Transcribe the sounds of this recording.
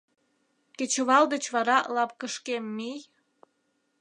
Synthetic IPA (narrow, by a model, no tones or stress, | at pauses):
ket͡ɕəβɑld̪ət͡ɕβɑɾɑlɑp̚kəʃkemːij